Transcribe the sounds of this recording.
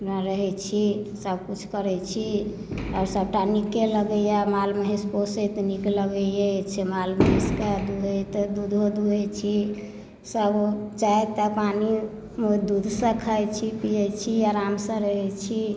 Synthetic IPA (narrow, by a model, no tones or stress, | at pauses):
naɾəɦɛt͡ʃʰisəbkut͡ʃʰkəɾɛt͡ʃʰi | ɔːɾsəb̚ʈanikːeləɡəjamalməɦesposet̪nikləɡəjet͡ʃʰemalməɦeskad̪uɦet̪əd̪ud̪ʱɦod̪uɦɛt͡ʃʰi | səbt͡ʃaet̪əpani | mod̪ud̪ʱsə̃kʰajt͡ʃʰipijɛt͡ʃʰijaɾamsə̃ɾəɦɛt͡ʃʰi